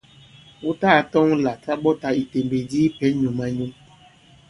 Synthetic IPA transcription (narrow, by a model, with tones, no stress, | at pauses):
wo˦taː˦˨tɔ˦ŋ˦la˨ta˦ɓɔ˦ta˨i˨te˨mbe˨di˦pɛ˦ɲu˨ma˦ɲo˦